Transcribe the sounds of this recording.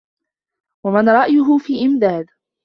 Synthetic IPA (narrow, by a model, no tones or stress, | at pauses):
wamanɾˤɑʔjʊɦʊfiːʔɪmd̪aːd̪